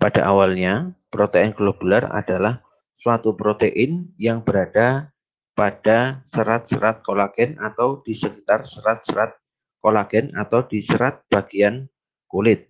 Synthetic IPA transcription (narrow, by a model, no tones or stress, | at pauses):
pad̥aʔawalɲapɾot̪eɪnɡlob̥ulara̰d̥alah | suwat̪upɾot̪eʔɪnjaŋbəɾada | pad̥asəɾat̪̚səɾat̪̚kolaɡ̥ɛnʔat̪awd̥isəkit̪arsəɾat̪̚səɾat̪̚ | kolaɡ̥ɛna̰t̪awdisəɾat̪̚b̥aɡ̥ian | kulɪt̪̚